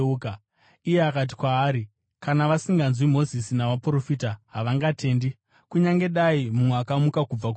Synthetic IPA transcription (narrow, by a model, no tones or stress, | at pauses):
uka | ije̞akat̬i̥kwaːɾi | kanaʋasiŋɡanzwimo̞zisinaʋapuro̞fiːtaɦaʋaŋɡatʰe̞ːndi | kuɲaŋɡe̞ɗaimumweakamukakub͡vak